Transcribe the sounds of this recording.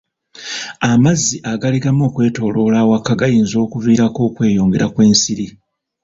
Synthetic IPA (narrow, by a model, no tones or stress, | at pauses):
amazːiʔaɡaliɡamo̞ːkwe̞ːto̞ːlo̞ːlawakːaɡajiːnzo̞ːkuviːɾako̞ːkwe̞ːjo̞ːŋɡe̞ɾakwe̞ːnsiɾi